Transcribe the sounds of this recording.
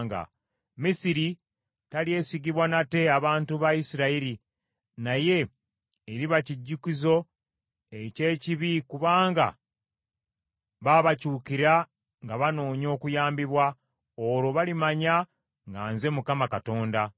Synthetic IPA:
ŋɡa̰ | misiɾi | talie̞siɡiβwanate̞aβaːntuβajisiɾaiɾi | naje̞ | eɾiβaciɟːukizo̞ | e̞ce̞ːciβikuβaːŋɡa̰ | βaβacuːkiɾa | ŋɡaβano̞ːɲo̞ːkujaːmbiβwa | oɾo̞βalimaɲa | ŋɡaːnze̞mukamakato̞ːnda

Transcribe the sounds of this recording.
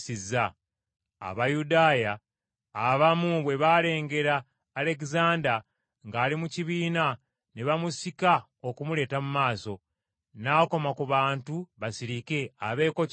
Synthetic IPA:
siza̰ː | βajudaːjaː | βamuβwe̞βale̞ːŋɡe̞ɾaː | le̞kizaːnda | ŋɡaːlimuciβiːna | ne̞βamusika | o̞kumule̞ːtamumaːso̞ | nako̞makuβaːntuβasiɾike̞aβe̞ːko̞

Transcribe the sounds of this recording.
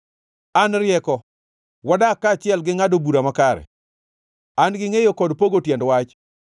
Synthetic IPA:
anɾɪjɛkɔ | wɔdakːat͡ʃɪɛlɡɪŋadobuɾamakaɾɛ̰ | anɡɪŋejokɔdpoɡotjɛndwat͡ʃ

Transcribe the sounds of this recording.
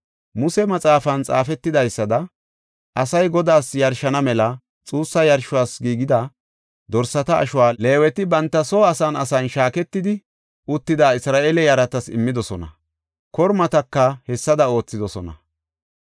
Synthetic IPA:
mʊsɛmɐt͡sʼaːfɐnt͡sʼa̰ːfɛt̪ːɪd̪ɐjsːɐd̪ɐ | ʔɐsɐjɡɔd̪aːsjɐɾʃɐnɐmɛlɐ | t͡sʼuːsːɐjɐɾʃʊwaːsɡiːɡɪd̪ɐ | d̪ɔɾsːɐt̪ɐ̰ːʃʊwaːle̞ːwɛt̪ɪbɐnt̪ːɐsoːɐsɐnɐ̰sɐnʃaːkɛt̪ːɪd̪ɪ | ʔʊt̪ːɪd̪aːɪsɾaːʔeːlɛjɐɾɐt̪ɐsɪ̰mːɪd̪ɔsɔnɐ̰ | kɔɾmɐt̪ɐkːɐhɛsːɐd̪ɐo̞ːt͡sːɪd̪ɔsɔnɐ̰

